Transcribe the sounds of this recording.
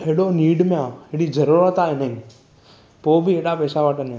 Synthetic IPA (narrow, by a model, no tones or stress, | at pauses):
eɽoːniːɖmãeɽiːzəɾuɾət̪aːenəɦĩː | poːbʱieːɽaːpɛːsaʋaʈənẽ